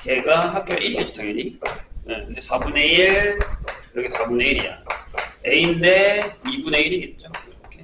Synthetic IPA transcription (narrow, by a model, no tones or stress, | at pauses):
ke̞ɡaɦak͈ʌʔiɾiɡet͡ɕ͈ʰo̥tʰaɡeɲijekʰɯnd̪e̞sʰabune̞iɭkɯɾʌkʰesʰabuneiɾija̰ | einde̞ibune̞iɾiɡe̞t̚t͡ɕ͈oiɾʌkʰe